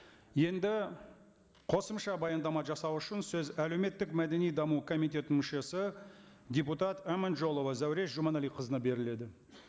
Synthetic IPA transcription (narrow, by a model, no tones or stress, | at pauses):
je̞nd̪ɪ | qʰo̞səmʃɑbɑjɑnd̪ɑmɑʒɑsɑwʊʃɪnsɵzæle̞wme̞t̪ːɪkmæd̪e̞nijd̪ɑmukʰo̞mijt̪̬ʲe̞t̪ɪnmʏʃe̞sɪ | d̪ʲeput̪ɑt̪æmanʒo̞lˠovɑzæwɾe̞sʒumɑnɑlijqʰəzənɑbe̞ɾɪle̞d̪ɪ